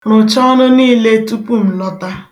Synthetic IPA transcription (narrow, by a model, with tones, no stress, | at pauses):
nʊ˨t͡ʃɔ˦nʊ˦niː˦le˦tu˦pu˦m̩˨nɔ˦ta˦